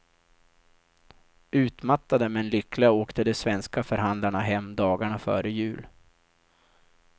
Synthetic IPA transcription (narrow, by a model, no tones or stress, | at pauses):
ʉ̟ːt̪mat̪ːad̪əmɛnlʏklɪɡaoːkt̪əd̪ɛsvɛnskafœɾɦand̪laɳaɦɛmːd̪ɑːɡaɳafœ̰ːɾəjʉ̟ːl